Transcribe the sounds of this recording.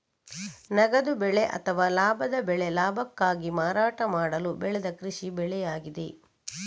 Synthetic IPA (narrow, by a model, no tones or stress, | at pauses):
nɐɡɐd̪ubɛɭe̞ʔɐ̰t̪ʰɐʋaːlaːbʱɐd̪ɐbɛɭe̞laːbʱɐkːaːɡimaːɾaːʈɐmaːɽɐlubɛɭed̪ɐkɾiʂibɛɭɛjaːɡid̪e̞̰